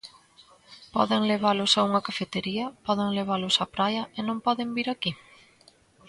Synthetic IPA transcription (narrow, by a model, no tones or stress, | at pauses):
pɔðɪŋleβ̞alʊsauŋɐkafet̪eɾiɐpɔðɪŋleβ̞alʊsapɾajɐenõmpɔðɪmbiɾaki